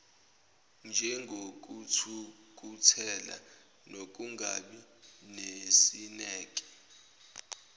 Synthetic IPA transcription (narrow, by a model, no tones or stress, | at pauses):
nd͡ʒʱɛŋɡʱok̬utʰuk̬utʰɛla̰ | nok̬ʼuŋɡʱa̰ɓinesinɛːk̬ʼɛ̥